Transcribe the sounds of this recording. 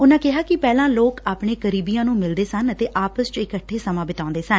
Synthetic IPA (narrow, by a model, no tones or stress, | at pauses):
ʊnãːkɪɦaːkɪpɛːlãːloːkaːpɳeːkəɾiːbijãːnũːmɪld̪eːsənət̪eːʔaːpəst͡ʃɪkəʈʰːeːsəmãːbɪt̪ãːnd̪eːsən